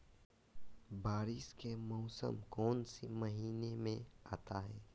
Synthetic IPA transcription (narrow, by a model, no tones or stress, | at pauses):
baːɾɪskemɔʊsə̰mkɔːnseməɦiːnemẽaːt̪aɦɛː